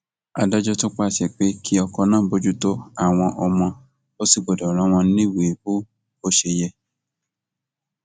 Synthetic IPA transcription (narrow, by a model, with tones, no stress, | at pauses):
a˧dɔ˦d͡ʒɔ˦to˦k͡pa˦˨sɛ˨k͡pe˨˦kʰi˦ɔ˧kɔ˧nãː˦˨˦bo˦d͡ʒu˦to˦a˦˨w̃ɔ̃˧ʔɔ˧mɔ̃˧ | o˦si˦˨ɡ͡bo˨dɔ˨ɾ̃ã˨˦w̃ɔ̃˧˦nĩ˦we˨bo˦ | o˦ʃe˧jɛ˧